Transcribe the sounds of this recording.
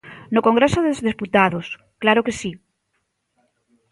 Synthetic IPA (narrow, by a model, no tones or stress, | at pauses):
nokoŋɡɾesoðezðesput̪aðos | klaɾokesi